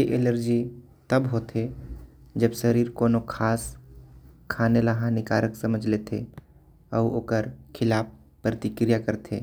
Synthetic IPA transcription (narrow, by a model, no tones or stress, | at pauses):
jeʔeləɾd͡ʒi | t̪ɐbɦoːt̪ʰe | d͡ʒəbʃəɾiːɾkoːnokʰaːs | kʰaːnelaɦãnɪkaːɾəksɐməd͡ʒʱlet̪ʰe | ɔːo̰ːkəɾkʰɪlaːp | pːɾət̪ɪkɾijakəɾt̪ʰeː